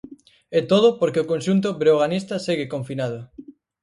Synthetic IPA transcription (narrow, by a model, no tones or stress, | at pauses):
ɛt̪oð̞ʊpoɾkeokonʃunt̪̬ʊbɾeoɣanist̪ɐseɣɪkoɱfinað̞ʊ